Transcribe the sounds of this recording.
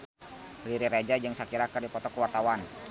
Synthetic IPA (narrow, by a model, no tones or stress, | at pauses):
liɾiɾad͡ʒad͡ʒɨŋsakiɾakərdipɔt̪ɔkəwart̪awan